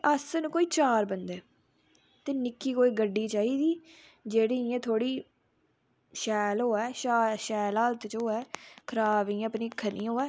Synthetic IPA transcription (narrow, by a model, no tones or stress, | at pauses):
ʔəsənːkoːiːt͡ʃaːɾbənd̪ɛː | t̪eːnɪkːiːkoːiːɡəɖːiːt͡ʃaːiːd̪iː | d͡ʒeːɽiːãt̪ʰoːɽiː | ʃɛːlɦoːɛːʃːʃɛːlaːlt̪t͡ʃoːɛːkʰəɾaːʋĩːəpniːkʰːəniːɦoːɛː